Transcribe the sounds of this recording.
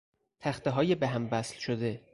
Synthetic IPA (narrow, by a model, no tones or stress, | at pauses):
t̪ʰæxt̪eɦɒːjebeɦæmvæslʃod̪e